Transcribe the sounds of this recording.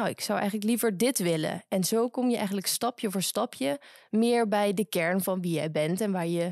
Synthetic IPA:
nawɪksʌwɛ̰jχənləklivəɹdɪtʋɪlə̰ɛnzowkʊmjəʔɛ̰jχən̩ləkstɑpjəvəːɹstɑpjəmɪːɹbɛjdəkɛɹnvɑnʋijɛjbɛntɛnʋaːɹjə

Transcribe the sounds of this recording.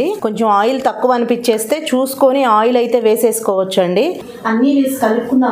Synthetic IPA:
iko̞ɲt͡ʃe̞maːjult̪ɐkːuʋɐɐnipit͡ʃːe̞ːst̪e̞ːt͡ʃuːsu̥koniaːjulɐjt̪e̞ːʋe̞ːse̞ːsu̥kɔːʋɐt͡ʃːɐɳɖi | ɐnːiʋiːskɐlukːunːaː

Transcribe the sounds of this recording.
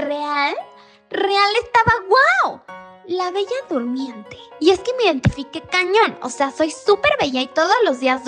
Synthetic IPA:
real | reale̞st̪aβaɣwawlaβe̞ʝaðuɾmje̞nt̪eie̞ske̞meiðe̞nt̪ifike̞kaɲo̞no̞̰se̞aso̞jsupe̞ɾβe̞ʝait̪o̞ðo̞zlo̞zðiaz

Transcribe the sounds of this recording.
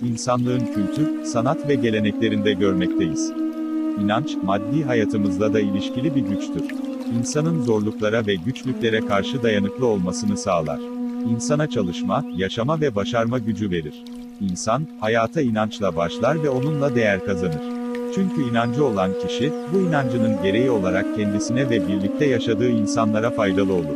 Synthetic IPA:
insanlˠɯɾɯncʰylʲt̪ʰyɾsanat̪vɛɟe̞lʲe̞nɛclʲe̞ɾind̪ɛɟø̞ɾmɛc̚t̪ʰe̞jiz̥ | inant͡ʃmad̪ːiːɦajaːt̪ʰɯmɯzlˠad̪ailʲiʃcilʲibiɾɟyt͡ʃt̪ʰyɾ̥ | insanɯnzo̞ɾlˠuklˠaɾavɛɟyt͡ʃlʲycʲlʲe̞ɾɛkʰaɾʃɯd̪ajanɯklˠɯolˠmasɯnɯsaːlˠa̰ɾ̥insanat͡ʃʰalˠɯʃmajaʃamavɛbaʃaɾmaɟyd͡ʒyve̞ɾiɾ̥ | insanhajaːt̪ʰainant͡ʃlˠabaʃlˠaɾvɛo̞nunlˠad̪e̞jæɾkazanɯɾ̥t͡ʃʰyɲcʰyinand͡ʒɯo̞lˠancʰiʃibuinand͡ʒɯnɯnɟe̞ɾe̞jio̞lˠaɾak̚cʰɛnd̪isinɛvɛbiɾlʲic̚t̪ʰɛjaʃad̪ɯːinsanlˠaɾafajd̪alˠɯo̞lˠuɾ

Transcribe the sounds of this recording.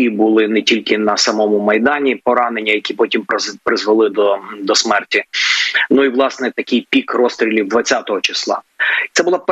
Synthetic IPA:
ibʊlˠɪnɛtʲilʲkɪnɐsɐmɔmʊmɐjd̪ɑnʲipɔɾɑnenʲːɐjɐkʲipɔtʲimpɾɪzʋɐlˠɪd̪ɔd̪ɔsmɛrtʲinuiʋlˠɑsnɛt̪ɐkɪjpʲikrɔst̪ɾʲilʲid̪ʋɐt͡sʲːat̪ɔɦɔt͡ʃɪslˠɑ̰t̪sɛbʊlˠɑp

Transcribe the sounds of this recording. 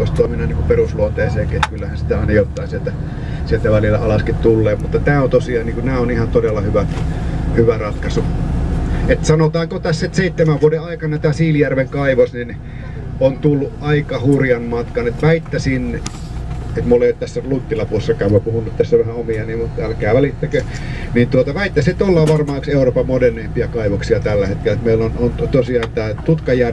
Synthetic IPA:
oˑst̪oˑminɑniŋkuperusluot̪eˑːseːkiʔet̪kylːæhænsi̥t̪æɑˑinɑjot̪ːˑɑˑːsielt̪æ | sielt̪æʋælilːˑæ̰ɑlɑskit̪t̪ulːeːpmut̪ːɑt̪æːont̪osiɑːnniːkunæːonihɑnt̪odelːɑhyʋæ | hyʋærɑt̪kɑsu | et̪sɑnot̪ɑːŋkot̪æsːet̪seˑit̪ːemæʋuodeʔɑikɑnɑt̪æːsiːljærʋeŋkɑiʋosnin | ont̪ulːuʔʔɑikɑhurjɑmmɑt̪kɑnet̪ʋæit̪ːæsinː | et̪muolːeˑjot̪æsːælut̪ːilɑpuoesːɑkɑˑːmopuhunːut̪t̪æsːæʋæhæomiɑnimmut̪ælkæːʋælit̪ːekø | nint̪uot̪ɑʋæit̪ːæsit̪olːɑʋɑrmɑːkseˑuroːpɑmmoderneimpiækɑˑiʋoksiɑt̪ælːæhet̪̚kelːæt̪meˑilːonont̪osiɑːnt̪æːt̪ut̪kɑjær

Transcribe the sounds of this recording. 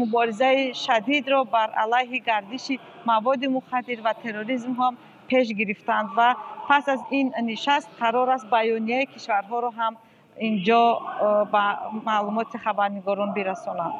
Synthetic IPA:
mubɔɾizaiʃad̪id̪ɾɔbaɾa̰lajɦiɡaɾd̪iʃi | mavɔd̪imuχad̪ːiɾvat̪ʰe̞ɾoɾizmɦam | pʰe̞ʃ̬ɡiɾift̪and̪vapʰasazinniʃast̪̚qʰaɾɔɾast̪̚bajɔnijaikʰiʃvaɾɦɔɾɔɦam | ind͡ʒɔbamalumɔt̪ʰiχabaɾniɡɔɾɔnbiɾasɔnand̪

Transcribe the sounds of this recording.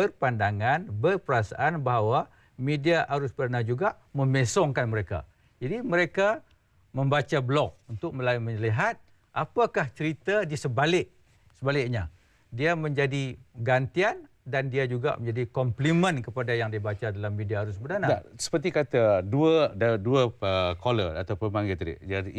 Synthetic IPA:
bərpandaŋanbərpəɾasa̰ʔanbaɦawa | mediaʔaɾʊsbədanad͡ʒuɡaʔmə̃mesɔŋkanməɾeka̰ | d͡ʒadiməɾeka | mə̃mbat͡ʃablɔk̚unt̪ʊk̚məlaməɲəliɦat̪̚ | ʔapakaht͡ʃəɾit̪adisəbalɪʔ | səbalɪʔ̚ɲa | diamə̃ɲd͡ʒadiɡant̪ian | dandiad͡ʒuɡa̰məɲd͡ʒadikɔmplimə̃nkəpadajaŋdiabat͡ʃadalamːidiaaɾʊsbədanaasə̥pərt̪ikat̪aduədaduəəkolə̰a̰t̪awpənpaŋɡit̪ɾḭʔd͡ʒai

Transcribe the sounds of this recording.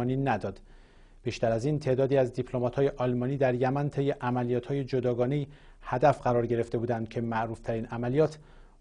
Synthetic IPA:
niːnæd̪ɒːd̪̥ | b̥iːʃt̪æɾæziːnt̪ʰe̞ːd̪ɒːd̪iːæzd̪ipʰlomɒt̪hːje̞ʔɒlmɒːniːd̪æɾjæmænt̪ʰe̞jːe̞ʔæmælijɒːt̪hɒːje̞d͡ʒod̪ɒːɡɒːneji | hæd̪æfɢæɾɒːɾɟe̞ɾe̞ft̪e̞buːd̪ænd̪̚cʰe̞mæʔɾuːft̪ʰæɾiːnæmælijɒːt̪ʰ

